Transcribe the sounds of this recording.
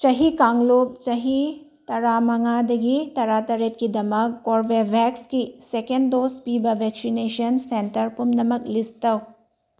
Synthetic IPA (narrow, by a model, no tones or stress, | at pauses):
t͡ʃɐɦikaŋlop̚t͡ʃɐɦi | tɐɾamɐŋadɐɡitɐɾatɐɾet̚kidɐmɐkːoɾbebʱekskisekenddospibɐbʱek̚sinesɐnsentɐɾpumnɐmɐk̚listɐw